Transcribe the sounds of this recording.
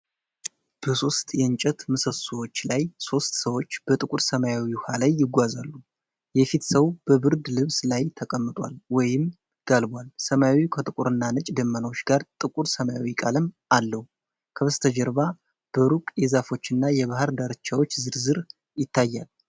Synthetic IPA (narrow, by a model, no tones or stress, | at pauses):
b̥əso̞st̪ʼjɛɨnt͡ʃʼɛt̪mɨsəsowo̞t͡ʃːlajso̞st̪səwo̞t͡ʃːb̥ət̪ʼɨkʼuɾsəmajawihalajːɪɡʷazalːu | jɛfit̪səβb̥əbɨɾd̪lɨβslajt̪ʰəkʼəmːɨt̪ʼwa̰lwɔjɪm | ɡ̥albʷalsəmajawikʰət̪ʼɨkʼuɾɨnːanɨt͡ʃʼd̪əmːənəwot͡ʃːɡaɾt̪ʼɨkʼuɾsəmajawikʼalɨm | alːəhu | kʰəβəst̪ʰəd͡ʒɛɾba | b̥əɾukʼjɛzafo̞t͡ʃːɨnːajɛβahɨɾd̪aɾt͡ʃːawo̞t͡ʃːzɨɾzɨɾ | jɪt̪ʰːajːal